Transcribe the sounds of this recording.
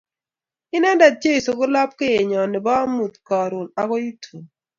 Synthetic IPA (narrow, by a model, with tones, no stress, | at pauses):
ɪ˦nɛ˦nda˨d͡ʒe˦i˨so˨ɡʊ˦la˦p̚ke˦je˨ɲɔ˨nɪ˨ba˦mu˨t̪kɔ˨ɾu˨na˨ko˦ji˦tʰu˨n